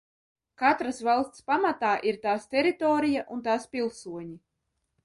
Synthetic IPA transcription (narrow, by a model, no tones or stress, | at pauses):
kat̪ɾasvalˠst̪spamat̪aːʔiɾt̪aːst̪ʲɛɾit̪ɔːɾijaʔunt̪aːspʲilˠsuɔɲi